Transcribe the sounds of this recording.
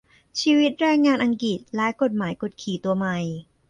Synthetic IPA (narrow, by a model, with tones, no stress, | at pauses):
t͡ɕʰiː˧wi˦˥t̪̚ɾɛː˧ŋːaː˧nʔa˧ŋki˨˩t̪̚lɛ˦˥jko˨˩t̪̚maː˩˦jko˨˩t̪̚kʰiː˨˩t̪u˧ɐma˧j